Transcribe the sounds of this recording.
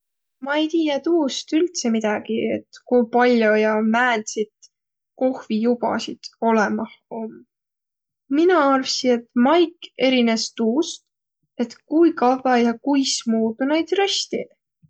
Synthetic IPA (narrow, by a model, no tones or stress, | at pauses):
mɑejt̪iːɑt̪uːst̪ylt̪se̞mid̪̥ɑɡ̥ie̞̰t̪kujpɑlʲjo̞jɑmæːnd̪sit̪ | ko̞hvijubɑ̰sit̪o̞lemɑho̞m | minɑɑrvsine̞t̪mɑjke̞ɾine̞st̪uːst̪ | e̞t̪kujkɑðɑjɑkujsmuːd̪une̞jd̪̥rest̪i